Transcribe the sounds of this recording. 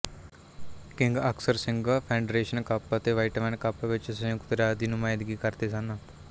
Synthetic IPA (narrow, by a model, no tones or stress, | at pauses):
kiŋɡɐksɐɾsiŋɡapʰeɳɖɾeːʃɐnkɐpːɐt̪eʋɐjʈɐmɐnɐkɐpːɐʋet͡ʃːɐsɐkut̪uɾad̪inumɐjɐd̪iɡikɐɾt̪esɐnːɐ